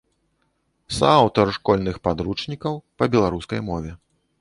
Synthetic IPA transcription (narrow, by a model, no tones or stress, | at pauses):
sawt̪ɐrʂkɔlʲnɨxpad̪ɾut͡ʂnʲikɐwpɐbʲɛlˠaɾuskɐjmɔvʲɛ